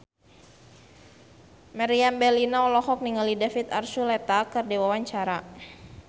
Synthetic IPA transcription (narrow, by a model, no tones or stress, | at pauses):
maɾiambɛlinaɔlɔhɔk̚niŋalidafit̪a̰rsulɛt̪akərdewawaɲt͡ʃaɾa